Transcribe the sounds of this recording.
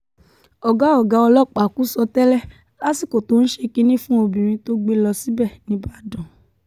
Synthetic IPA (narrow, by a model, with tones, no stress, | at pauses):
ɔ˨ɡa˨˦ɔ˨ɡa˧ɔ˧lɔ˦˨k͡pa˨ku˦sɔ˧tɛ˦lɛ˦˨ | la˦si˦˨ko˨to˨˦n̩˦ʃe˧ki˦nĩ˦fũ˦o˧˨bĩ˨m̃ĩ˧to˦ɡ͡be˧lɔ˧si˨˦bɛ˦˨nĩ˧ba˦˨dɔ̃˨